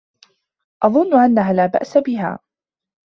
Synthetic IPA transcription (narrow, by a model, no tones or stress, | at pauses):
ʔɑðˤʊnːʊʔanːaɦaːlaːba̰ʔsabɪɦa̰ː